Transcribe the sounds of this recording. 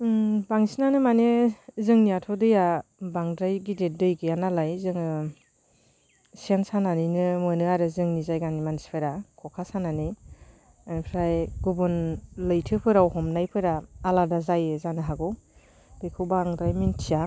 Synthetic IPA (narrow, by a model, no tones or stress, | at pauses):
baŋsinanɯmanezɯŋniatʰɔdɯjabaŋdɾajɡidet̚dɯjɡɯjanalajzɯŋɯ | sensananinɯmɯnɯaɾɯzɯŋnizajɡanimansi̥pʰɯɾakʰɔkʰasanani | anpʰɾajɡubɔnlɯjtʰɯpʰɯɾawɦɔmnajpʰɯɾaːladazajezanɯɦaɡɔw | d̥ɯjkʰɯwbaŋdɾajmintʰija